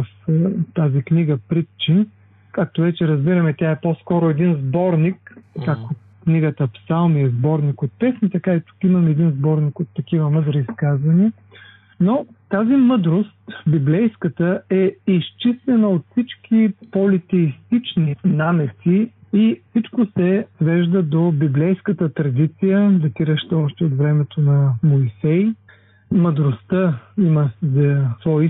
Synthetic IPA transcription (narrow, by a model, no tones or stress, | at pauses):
ft̪azikniɡəpɾit̪t͡ʃin | kak̚t̪ovɛt͡ʃɛɾɐzbiɾɐmɛt̪ʲaɛposkɔɾoɛd̪inzbɔɾnikkːako | kniɡət̪əfsalˠmiɛzbɔɾnikot̪̚pɛsnit̪ɐkait̪u̥kimɐmɛɛd̪inzbɔɾnikot̪ːɐkivəməd̪ɾiːskazvɐniə | not̪azimɤd̪ɾost̪biblɛjskət̪əʔɛist͡ʃist̪ɛnəot̪fsit͡ʃk̟ipolit̪ɛist̪it͡ʃninamɛsiifsit͡ʃkosɛsvɛʒd̪əd̪obiblɛjskət̪ət̪ɾɐd̪it̪sijəd̪ɐt̪iɾəʃt̪ɛɔʃt̪ɛot̪vɾɛmɛt̪onɐmoisɛj | məd̪ɾost̪əiməzəsvɔi